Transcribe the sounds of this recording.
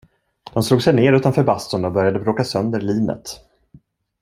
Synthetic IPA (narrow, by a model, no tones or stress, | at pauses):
d̪̥ɔmsluːɡsɛjneːɾʉ̟ːt̪anfœɾbast̪ɔnɔbœɾjad̪əbɾoːkasœnd̪əɾɭiːnə̰t̪